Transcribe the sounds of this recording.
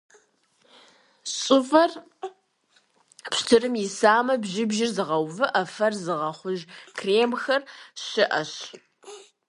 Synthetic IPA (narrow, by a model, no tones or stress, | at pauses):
sʼʊfɐr | pstʰɨrɨmjɪsaːmɐbʒɪbʒɪrzɨʁɐwvɨʔɐfɐrzɨʁɐχʷʊʒkʰreːmxɐrɕɪʔɐɕ